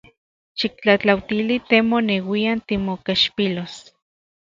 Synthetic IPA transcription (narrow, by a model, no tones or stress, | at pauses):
ʃik̚t͡ɬat͡ɬawt̪ilit̪emonewiant̪imokaʃpilos